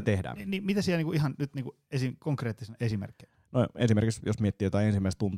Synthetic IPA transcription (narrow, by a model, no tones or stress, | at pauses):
t̪ehdæ̰ːniːmit̪æsielniːŋkuʔihɑnnyt̪niːŋku | esikoŋkreːt̪ːisenɑesimḛrkːe | noḛnsimeɾrkiksjosmiet̪ːiːjot̪ɑiensimːæˑist̪unt̪